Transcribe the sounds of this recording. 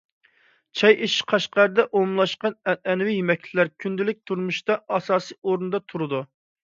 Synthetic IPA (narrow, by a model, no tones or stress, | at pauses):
t͡ʃʰɑjeʃqʰɑʃqɑɾɨd̪ɛʔomlˠɑʃqɑnɛnɛnɪwijimɛkʲt͡ʃʰɪlæɾkʲʰynd̪ɪlɪk̚ʲt̪ʰuɾmuʃt̪ɑɑsɑːsɨːʔoɾnɨd̪ɑt̪ʰuɾɨd̪u